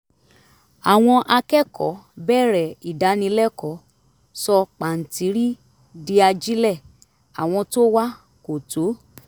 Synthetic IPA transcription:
a˨w̃ɔ̃˧ʔa˧kɛ˦kʰɔ̰˨˦bɛː˦˨ɾɛ˨i˨da˨˦nĩ˧lɛ˦kɔ˨˦ | sɔ˧k͡pa˨n̩˨ti˨˦ɾi˦ | di˧a˧d͡ʒi˦lɛ˦˨ | a̰˨w̃ɔ̃˧to˦wa˦ | ko˨to˨˦

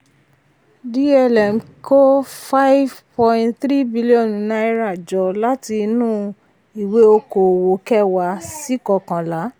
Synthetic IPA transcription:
di˦ɛ˧lɛ˨m̩˨ko˦fa˦i˦vpɔ̃˧ĩ˦tθɾi˦bi˦li˦ɔ̃˦˨n˨nã˦i˦ɾa˨d͡ʒɔ˨˦la˦ti˧nũː˦˨ | i˨we˦o˧ko˨wo˨kɛ˦wa˧˦si˦kɔ˨kã˨la˨˦

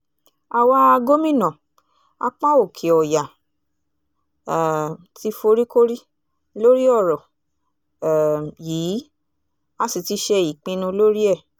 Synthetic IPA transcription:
a˧wa˦˧ɡo˦mĩ˦˨nɔ̃˨ | a̰˧k͡pã˦o˦˨kʰe˨ɔ˨ja˨ | ti˦fo˧ɾi˦ko˦ɾi˦ | lo˦ɾi˦ɔ˦˨ɾɔ˨ | jiː˨˦ | a˦si˨ti˨˦ʃɛ˧i˨k͡pĩ˧nũ˧lo˦ɾi˦ɛ˦˨

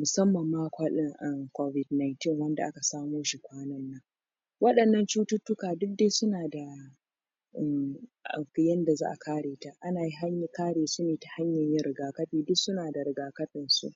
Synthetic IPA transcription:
mʊ˨sɐ˦mːɐ˨mːaː˦kʷa˦lɪ˦ʔɐ˦mkʷo˦vɪ˨dna˨jntɪ˦˨ŋwɐ˦nda̰˨ʔa̰˦ka˨saː˦moː˦ʃi˨kʷaː˦nɐ˦nːɐ˦ŋ | wɐ˦ɗɐ˨nːɐ˦nt͡ʃuː˦tʊ˦tːʊ˦kaː˨dʊ˦k̚deː˦sʊ˦naː˨da˨ | ʔɛ˨mʔkjɐ˦nda˨za̰ː˦ʔa˨kʰaː˦ɽeː˨ta˦ʔa˦naː˨ji˦ɦa˦ɲ˦kaː˦ɽeː˨sʊ˦neː˨ta˨ha˦ɲjɐ˨ɲjɪ˦ɾɪ˨ɡaː˨kɐ˦ɸiː˨dʊ˦sʊ˦naː˨da˨ɾɪ˨ɡaː˨kɐ˦ɸɪ˨nsṵ˦ʔ

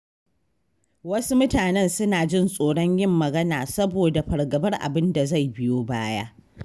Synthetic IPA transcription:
wɐ˦su˦mʊ˦taː˨nɛ˦nsʊ˦naː˨d͡ʒɪ˦nsʼoː˨ɽɔ˦ɲjɪ˦mːɐ˨ɡɐ˦naː˨sɐ˦boː˨da˨ɸɐ˨ɽɡɐ˨bɐ˦rʔa̰˨bɪ˦nda˨za˦˨jbɪ˦joː˦baː˦ja̰ː˦

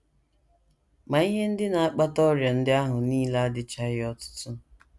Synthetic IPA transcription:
ma˨i˦ɦe˦n̩˦dɪ˦na˨a˦k͡pa˦tɔ˦ɾja˨n̩˦dɪ˦a˦ɦʊ˨niː˦la˦a˦dɪ˦t͡ʃa˦ɪ˦ɔ˦tʊ̥˦tʊ˦

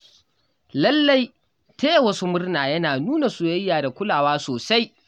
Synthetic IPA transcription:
lɐ˦lːa˦j | teː˦jwɐ˦su˦mʊ˦rnaː˨jɐ˦naː˨nuː˦na˨su˨jɐ˦jːaː˨da˨kʷʊ˦laː˨waː˦soː˨sa˦j

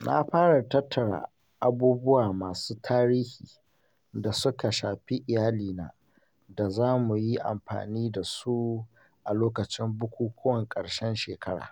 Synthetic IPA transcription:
nʔa̰˦ɸaː˦ɽa˨tɐ˦tʰːɐ˨ɽa̰˨ | ʔa˦buː˦bʊ˦waː˨maː˨suː˦tʰaː˦ɾiː˦hiː˨ | da˨sʊ˦ka˨ʃaː˨ɸi˦ʔɪ˨jaː˦liː˨na̰ː˦ | da˨zaː˦mu˨ji˦ʔa̰˨mɸa̰ː˨niː˦da˨su˦ | ʔa˨loː˦kɐ˨t͡ʃɪ˦mbʊ˦kʷuː˦kʷʊ˦wɐ˨ŋkʼɐ˨ɽʃɛ˦nʃeː˨kɐ˦ɽa̰ː˨

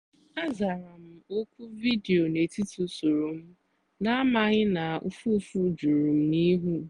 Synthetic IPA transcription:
a˦za˨ɾa˨m̩˦o˦kʷu˦vi˦de˨o˨ne˨ti˦tu˨su˨ɾu˨m̩˦ | na˦a˦ma˦ɣɪ˦na˨ṵ˦fu˦fu˦d͡ʒu˨ɾu˨m̩˦ni˦ɦu˦

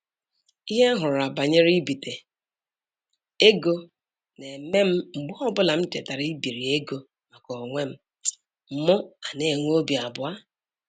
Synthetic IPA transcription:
i˦ɦe˦a˦ɦʊ˨ɾʊ˨a˨ba˨ɲe˦ɾi˦bi˨te˨ | e˦ɡo˦ | ne˨me˦m̩˦ŋ͡m̩˨ɡ͡bʊ˦ɔ˦bʊ˦la˨m̩˦te˨ta˨ɾi˦bi˨ɾi˨e˦ɡo˦ | ma˨kɔ˨ŋʷe˦m̩˦ | m̩˨mʊ˦a˨ne˨ŋʷ˦o˦bi˨a˨bʊ˨a˦

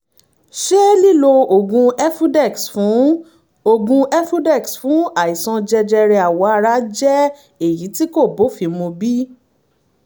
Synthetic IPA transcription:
ʃe˦li˦˨lo˧o˨ɡũ˧ɛ˦fu˦dɛ˦˨ksfũ˨˦ | o˧ɡũ˧ɛ˦fu˦dɛ˦˨ksfũ˨˦a˨i˨sɔ̃˧d͡ʒɛ˧d͡ʒɛ˧ɾɛ˧a˨wɔ˨˦a˧ɾa˨˦d͡ʒɛ˦ | e˦˨ji˨˦ti˦ko˦˨bo˨˦fi˧mõ˧bi˦

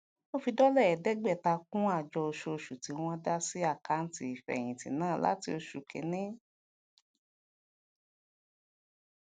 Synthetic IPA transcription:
mo˦fi˧dɔ˦lɛ˦˨ɛ˨dɛ˦ɡ͡bɛ˦˨ta˧k̚ũ˦a˦˨d͡ʒɔ˧o˧ʃo˧o˧ʃu˨ti˨˦w̃ɔ̃˧da˦si˦a˦˨ka˨˦n̩˦ti˦˧i˨fɛ̰˨j̃ĩ˨tḭ̃˨nãː˦˨la̰˨˦ti˧o˧ʃu˨kḛ˨nĩ˦

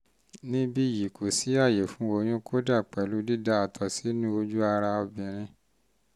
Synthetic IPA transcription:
nĩ˦bi˦˨ji˨kʰo˨si˨˦a˦˨je˨fũ˨˦o˧j̃ũ˦kʰo˦da˦˨k͡pɛ˨lu˨˦di˦da˦a˨tʰɔ˨si˨˦nĩ˦o˧d͡ʒu˦a˧ɾa˧ɔ˧bĩ˨ɾ̃ĩ˧

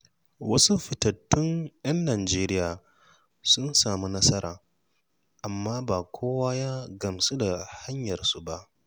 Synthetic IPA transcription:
wɐ˦su˦ɸɪ˨tɐ˨tːʊ˦njɐ˦nːaː˨d͡ʒeː˦ɾɪ˦jaː˨ | sʊ˦nsaː˨mu˦nɐ˦sɐ˦ɾa̰ː˨ | ʔa˨mːaː˦baː˨kʷʰoː˦waː˦ja˦ɡɐ˨msu˦da˨ha˦ɲjɐ˨rsu˦ba˦ʔ

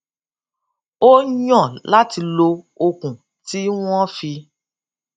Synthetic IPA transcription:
o˦ɲɔ̃˦˨la˦ti˧lo˧ | o˧kũ˨ | ti˦w̃ɔ̃˦fi˧

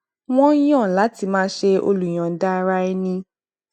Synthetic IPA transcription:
w̃ɔ̃˦j̃ɔ̃˦˨la˨˦ti˧˨mãː˦ʃe˧o̰˧lu˨j̃ã˨˦da˦˧ɾa˦ɛ˦nĩ˧

